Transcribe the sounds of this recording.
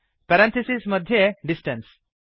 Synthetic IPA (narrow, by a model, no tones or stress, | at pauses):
pɛɾɛ̃nt̪ʰisismʌd̪ʱjeɖisʈɛ̃ns